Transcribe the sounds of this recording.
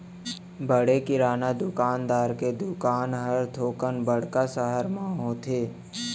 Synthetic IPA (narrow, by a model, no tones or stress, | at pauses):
bəɽekɪɾaːnad̪ʊkaːnd̪aːɾked̪ʊkaːnɦəɾt̪ʰoːkənbəɽ̤kasəɦəɾmãɦõt̪ʰeː